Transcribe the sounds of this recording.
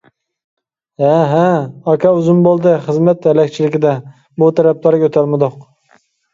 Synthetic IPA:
haɦaakʰʲaʊzɪmbolˠd̪ɪχɨzmat̪alak̚ʲt͡ʃʰɪlɪkʲɪd̪a | bʊt̪ʰaɾap̚laɾɪkʲʰɵt̪ʰaɾmad̪oq

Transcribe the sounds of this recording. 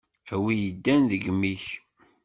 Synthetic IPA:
æwijəd̪ːænðəɡmiç

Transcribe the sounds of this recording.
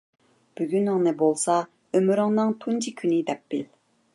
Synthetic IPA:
b̥yɡʲynɨŋnɨbolˠsɑ | ømyɾɪŋnɨŋt̪ʰunt͡ʃʰikʲʰynɪd̪ɛpːɪl

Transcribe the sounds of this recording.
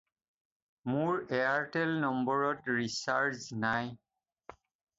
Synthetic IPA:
mʊɹɛaɹtɛlnɔmbɔɹɔtɹisaɹzinaj

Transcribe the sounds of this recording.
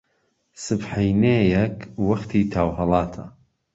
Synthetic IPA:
sɨbħejnejɛkwɐχt̪ʰiːt̪ʰaːwɦɐlˠɑːt̪ʰɐ̰

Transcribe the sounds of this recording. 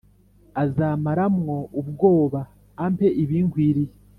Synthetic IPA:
azaːmaɾamŋo̞uβɡo̞ːβaː | mpe̞ʔiβiːŋɡwiɾi

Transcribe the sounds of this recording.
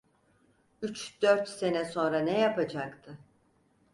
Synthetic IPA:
yt͡ʃd̪̥øɾt̪se̞nɛso̞nɾanɛjapad͡ʒakt̪ʰɯ

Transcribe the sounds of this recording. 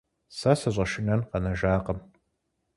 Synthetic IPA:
sɐsɐʑʷʼɐʃɪnɐnqɐnɐʒaːqɐm

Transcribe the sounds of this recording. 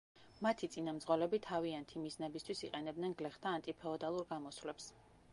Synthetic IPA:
mat̪ʰit̪sʼinamd̪zʁɔlɛbit̪ʰaviant̪ʰimiznɛbist̪ʰwisiqʼɛnɛbd̪nɛnɡlɛχt̪ʰaːnt̪ʼipʰɛɔd̪alˠuɾɡamɔsvlɛps

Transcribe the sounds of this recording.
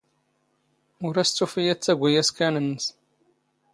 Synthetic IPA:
ʊɾæst͡sːufijæt͡sːæɡʷːæjæskænənːəs

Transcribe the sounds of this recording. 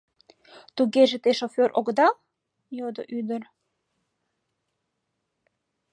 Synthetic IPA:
t̪uɣeʒet̪eʃoføɾʔoɡd̪ɑl | jod̪o̰ʔyd̪ər

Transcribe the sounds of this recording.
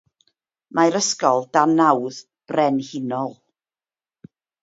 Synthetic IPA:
majɾəskɔlˠdanawð | b̥rɛnhɪnɔlˠ

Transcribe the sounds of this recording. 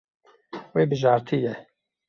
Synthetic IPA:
weːbɨʒaːɾt̪ʰijɛ

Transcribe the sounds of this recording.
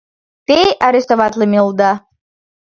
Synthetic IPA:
t̪ejaɾʲest̪oβɑt̪ləmʲilˠd̪ɑ

